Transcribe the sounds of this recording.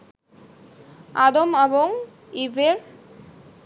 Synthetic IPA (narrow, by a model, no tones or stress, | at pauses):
ad̪omeboŋ | ibeɾ